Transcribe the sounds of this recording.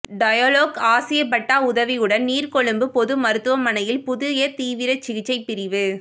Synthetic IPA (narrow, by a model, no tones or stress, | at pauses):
ɖɐjaːloːkaːsɪjɐpːɐʈːaːʊðɐʋiɯɽɐnniːrkɔɭɯmbɯpɔðɯmɐɾɯt̪ːɯʋɐmːɐnɐjɪlpʊðʊjɐt̪iːʋɪɾɐt͡ʃɪɣɪt͡ʃːɐɪpːɪɾɪʋɯ